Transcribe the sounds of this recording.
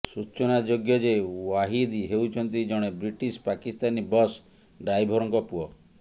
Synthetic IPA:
sut͡ʃɔnad͡ʒoɡjɔd͡ʒewaɦid̪iɦewt͡ʃʰɔnt̪id͡ʒɔɽ̃ebɾiʈispakist̪anibɔs | ɖɾajbʱɔɾɔŋkɔpuɔ

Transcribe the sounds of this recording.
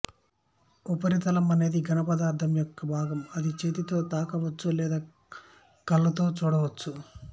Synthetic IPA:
upɐɾit̪ɐlɐmɐne̞ːd̪iɡɐnɐpɐd̪aːɾt̪ʰɐmjɔkːɐbʱaːɡɐmɐd̪it͡ʃeːt̪it̪o̞ːt̪aːkɐʋɐt͡ʃːulɛːd̪aː | kɐlːɐt̪o̞ːt͡ʃuːɽɐʋɐt͡ʃːu

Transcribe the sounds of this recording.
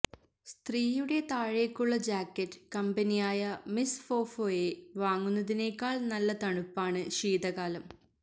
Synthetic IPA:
st̪riːjuɽe̞t̪aːɻekːuɭːɐd͡ʑaːkːɐtːɨ̥kɐmbɐnijaːjɐmisfo̞ːfo̞ːjeʋaːŋːunːɐðine̞ːkːaːɭnɐlːɐt̪ɐɳupːaːɳɨɕiːðɐɣaːlɐm

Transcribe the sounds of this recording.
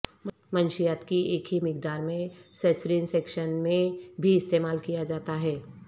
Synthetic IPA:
mənʃijaːt̪kieːkʰɦimɪkd̪aːɾmẽsɛːsɾinseːkʃənmẽbʱiɪst̪eːmaːlkijad͡ʒaːt̪aɦɛː

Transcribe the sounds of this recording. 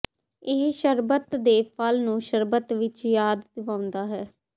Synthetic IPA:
ɪɦʃəɾbət̪d̪eːpʰəlnũːʃəɾbət̪ʋɪt͡ʃjaːd̪d̪ɪʋãːʊ̃nd̪aːɦɛː

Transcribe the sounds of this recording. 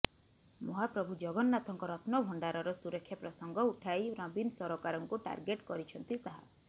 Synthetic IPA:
mɔɦapɾɔbʱud͡ʒɔɡɔnːat̪ʰɔŋkɔɾɔt̪ʰnɔbʱɔɳɖaɾɔɾɔsuɾɔkʰːjapɾɔsɔŋɡɔuʈʰajɾɔ̃binsɔɾokaɾɔŋkuʈa̰ɾɡeʈkɔɾit͡ʃʰɔnt̪isaɦa̰

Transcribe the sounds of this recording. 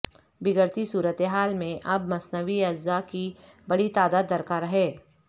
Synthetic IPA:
bɪɡəɾt̪isuːɾət̪eɦaːlmẽʔɐbmɐsnəʋiɐzːakibɐɽit̪aːd̪aːd̪ːɐɾkaːɾɐɦɛː

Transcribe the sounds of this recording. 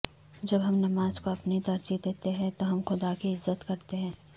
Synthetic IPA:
d͡ʒɐbɦɐmnɐmaːzkoɐpnit̪ɐɾd͡ʒid̪eːt̪eɦɛ̃t̪oɦɐmxʊd̪akiɪzːət̪kɐɾt̪eɦɛ̃ː

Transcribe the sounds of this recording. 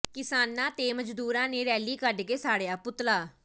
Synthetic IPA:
kɪsaːnːãːt̪eːməd͡ʒd̪uːɾãːneːɾɛːliːkəɖkeːsaːɽejaːpʊt̪laː

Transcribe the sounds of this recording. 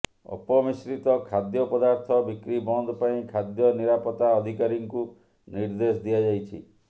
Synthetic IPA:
ɔ̰pɔmisɾit̪ɔkʰad̪jɔpɔd̪aɾt̪ʰɔbikɾibɔnd̪ɔpaĩkʰad̪jɔniɾapɔt̪aɔd̪ʱikaɾiŋku | niɾd̪esɔd̪iad͡ʒajt͡ʃʰḭ

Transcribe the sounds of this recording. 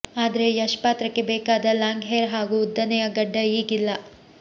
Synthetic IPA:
aːd̪ɐɾe̞jɐʂpaːt̪ɾɐkːe̞beːkaːd̪ɐlaːŋɡɦeɾɦaːɡuːd̪ːɐnɛjɐɡɐɖːɐiːɡilːɐ

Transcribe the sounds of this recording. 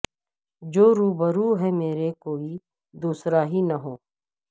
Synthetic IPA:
d͡ʒoːɾuːbəɾuːɦɛmeːɾekoːi | d̪uːsɾaɦinɐɦoː

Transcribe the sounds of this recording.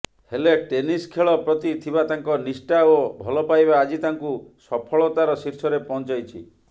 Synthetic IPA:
heleʈeniskʰeɭɔpɾɔt̪it̪ʰibat̪aŋkɔnisʈaobʱɔlɔpajbaːd͡ʒit̪aŋkusɔpʰɔɭɔt̪aɾɔsiɾsɔɾepɔɦnt͡ʃajt͡ʃʰi

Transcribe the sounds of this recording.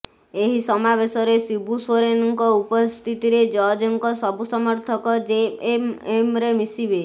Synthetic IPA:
eɦisɔmabesɔɾesibuswɔɾenɔŋkɔupɔst̪ʰit̪iɾed͡ʒɔd͡ʒɔŋkɔsɔbusɔmɔɾt̪ʰɔkɔd͡ʒeememɾemisibe

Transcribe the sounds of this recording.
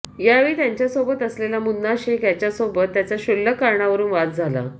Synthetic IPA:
jaʋiːt̪jaɲt͡ɕjasobət̪əslelamunnaɕekjat͡ɕjasobət̪ːjat͡saɕulːəkaɾɳaʋəɾuːnʋat̪̚d͡zʱala̰

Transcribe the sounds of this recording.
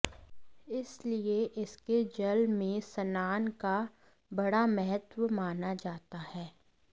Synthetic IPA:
ɪslieʔɪsked͡ʒɐlmẽsɐnaːnka | bɐɽamɛɦət̪wmaːnad͡ʒaːt̪ahɛː

